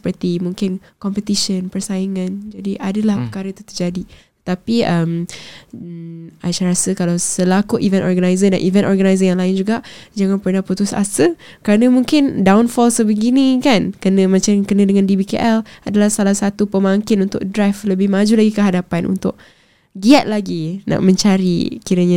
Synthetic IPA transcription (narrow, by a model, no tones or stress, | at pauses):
sə̥pərt̪imũŋkɪn | kɔmpət̪iʃənpərsaiŋãnd͡ʒadiʔadəlahpərkaɾət̪u̥t̪ərd͡ʒadit̪ə̥t̪apiəm | ʔaʃaɾasəkalawsəlakuʔivɛ̃nʔɔrɡanajzəda̰nʔivɛnʔɔrɡanajzəjaŋlaɪnd͡ʒuɡaʔd͡ʒaŋãnpərnaput̪ʊsa̰sə | kəɾanə̃mũŋkɪndawnfɔlsəbəɡiniŋkankənə̃mat͡ʃakənə̃dəŋãndibikḛʔɛladalahsalahsat̪upəmaŋkɪnunt̪ʊ̰k̚dɾajfləbɪhmad͡ʒulaɡikəɦadapanʔṵnt̪ʊʔ̚ | ɡiat̪̚laɡinʔa̰ʔmə̃ɲt͡ʃaɾḭkiɾəɲã